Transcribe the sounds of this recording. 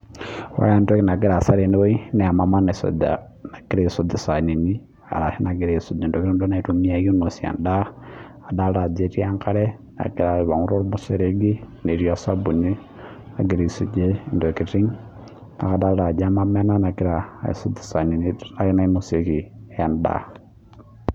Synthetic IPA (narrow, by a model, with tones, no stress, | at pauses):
wa̰˦ja˨nto˦ki˦na˨k̬i˦ɾa˨sa˦ɾe˨ni˦wo˦i˦ne˨a˨ma˨ma˦ne˨so̰d | na˨ki˦ɾe˦˨so˦di˨sa˨ni˨ni˦ | a̰˨ɾa˨hi˦na˨ɡi˨ɾe˨su˨d͡ʒe˨ndo˨kiɾi˦ndo˦na˨i˨tu˨mi˦a˦˨jo˦no˨si˨a̰˨ndaː˦˨ | da˦ɾa˨d͡ze˦ɾi˦a˦ŋka˦ɾe˦ | na̰˨ki˦ɾa˨i˨βa˨ŋu˦ɾo˦ɾmuseɾeɡi˦ne˨ɾi˦asa˦bu˨ɲi˦ | a˨ɡi˨ɾi˨su˨d͡ʒe˦˨ndo˨kiɾi˦ŋ | na̰˨ka˨da˦ɾa˨d͡ʒa˦mamɛ˦na˦na˨ki˦ɾa˨ḭ˨so˦di̥˨sa˨ni˨nia˦i˦na˦i˦mose˨ki˨ja˨nda̰˦